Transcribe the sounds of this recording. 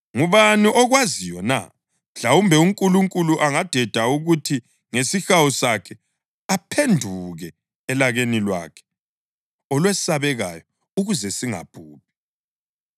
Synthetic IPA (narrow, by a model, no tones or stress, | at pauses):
ŋuβaniʔɔɣwazijɔna̰ | ɬawumbʱɛuŋkʼuluŋkʼuluʔaŋad̥ʱɛd̥ʱauɣutʰi | ŋesixawusakʰɛ | apʰendʱuɣɛː | laɣenilwa̰ːkʰɛ̥ | ɔlwesaβɛɣa̰jɔ | uɣuzɛsiŋa̰b̥ʱuːp̚i̥